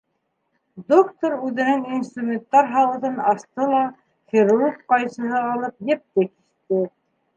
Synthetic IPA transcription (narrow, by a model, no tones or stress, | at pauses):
d̪okt̪oɾʉðɘ̆nɘŋinst̪rumʲent̪ːɑɾɦɑwɤ̆ðɤnɑst̪ɤlˠɑ | χʲiɾurɡqɑjsɤ̆ɦɤɑlˠɤp̚jɘ̆p̚t̪ɘkiʃt̪ɘ